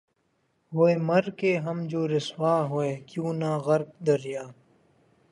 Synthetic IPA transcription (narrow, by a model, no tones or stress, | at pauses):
ɦoemɐɾkeːɦɐmd͡ʒoːɾɪswaːɦoeːkjũːnaːɣɐɾk̚d̪ɐɾijaː